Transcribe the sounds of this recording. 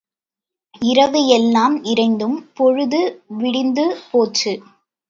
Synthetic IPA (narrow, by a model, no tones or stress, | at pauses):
ɪɾɐʋɯjɛlːaːmɪɾɐɪnd̪ɯmpɔɻɯðɯʋɪɽɪnd̪ɯpoːt͡ʃːɯ